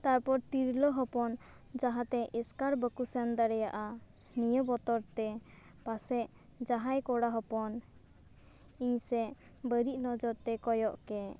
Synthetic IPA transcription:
t̪aɾpɔɾt̪iɾlɔɦɔpɔn | d͡ʒaɦat̪ɛʔɛskaɾbəkusɛnd̪aɾɛjaʔa | nijəbɔt̪ɔɾt̪ɛ | pasɛʔ | d͡ʒaɦajkɔɽaɦɔpɔn | iɲsɛ | bəɾiʔ̚nɔd͡ʒɔɾt̪ɛkɔjɔʔkɛ

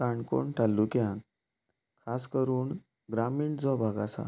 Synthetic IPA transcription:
kaɳko̰ɳʈʰalːukjã | kʰaskəɾuːɳ | ɡɾamiːɳd͡zɔbʱaɡasa̰

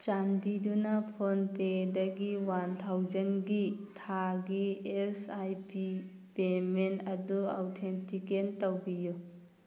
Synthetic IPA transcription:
t͡ʃanbidunɐpʰonpedɐɡiwant̪ʰawd͡ʒɐnɡitʰaɡiesajpi | pementɐdua̰wtʰentikentɐwbiju

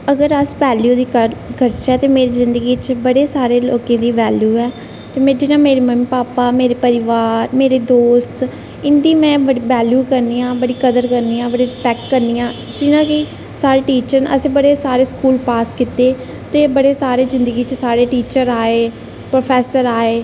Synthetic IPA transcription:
əɡəɾəspɛːljuːd̪iːkəkəɾʃɛːt̪eːmeːɾiːzɪ̃nd̪əɡiːt͡ʃbəɽeːsaːɾeːloːkẽːd̪iːʋɛːljuːɛː | t̪eːmɛ̃ːd͡ʒɪnãːmeːɾeːməmiːpaːpaːmeːɾeːpəɾɪʋaːɾmeːɾeːd̪oːst̪ | ɪnd̪iːmɛ̃ːʋəɽiʋɛːljuːkəɾniːãːbəɽiːkəd̪əɾkəɾniːãːbəɽiːɾɪspɛːk̚ʈkəɾniːjãː | d͡ʒɪnãːkɪ | saːɾeːʈiːt͡ʃəɾnə̰sẽːbəɽeːsaːɾeːskuːlpaːskɪt̪eː | t̪eːbəɽeːsaːɾeːzɪ̃nd̪əɡiːt͡ʃəsaːɾeːʈiːt͡ʃəɾaːeː | pɾoːpʰɛːsəɾaːeː

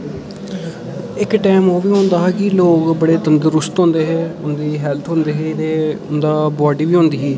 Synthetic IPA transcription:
ɪkʈɛːmoːʋiːɦõːnd̪aːɦɛːkɪloːkbəɽeːt̪ənd̪əɾʊst̪ɦõːnd̪eːɦeːʊnd̪iːɦɛːlt̪ʰɦʊ̃nd̪eːɦeːt̪eːʊnd̪aːbaːɖiːʋiːɦõːnd̪iːɦiː

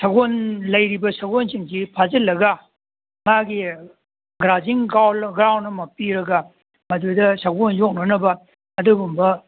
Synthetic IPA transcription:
sɐɡonlɐjɾibɐsɐɡonsiŋsipʰazɐlːɐɡa | ŋaɡi | ɡɾaziŋɡawlɡɾawnːɐmɐpiɾɐɡa | mɐdudɐsaɡonjok̚nɐnɐbɐ | ɐduɡumbɐ

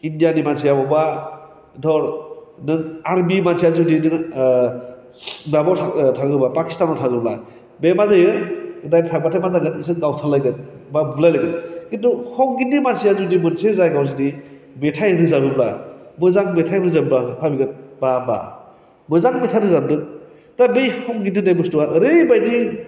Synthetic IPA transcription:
indijanimansʰijabɔba | dɔɾnɯaɾbimansijazudinɯ | mabawtʰatʰaɡɯbapaki̥stanɔtʰaɡɯbla | bemazajɯɯdajnitʰak̚batʰamazaɡɯnis̬ɯnɡawtʰalajɡɯn | babulajlajɡɯnkintuhɔŋɡindimansijazudimɯnsezajɡaws̬idi | metʰajɯdɯzabɯblamɯzaŋmetʰajbɯzɐmbapʰabiɡɯnb̥aba̰ | mɯzaŋmetʰaɾɯzamdɯ | dabejhɔŋɡindɯdajbɯstuwaʔɾɯbajdi

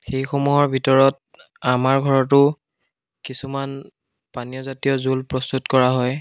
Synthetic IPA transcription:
xejxɔmuɦɔɹbʱitɔɹɔt̚ | amaɹɡʱɔɹɔtʊ | kisuman | panijɔzatijɔzulpɹɔstutkɔɹaɦɔj

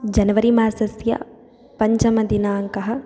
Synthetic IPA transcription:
d͡ʒɐnɐʋɐɾimaːɾsɐsjɐ̰ | pɐɲt͡ʃɐmɐd̪inaːŋkɐɦɐ̆

